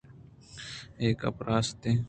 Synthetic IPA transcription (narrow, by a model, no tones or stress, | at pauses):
eːkɐ̰pɾaːst̪eː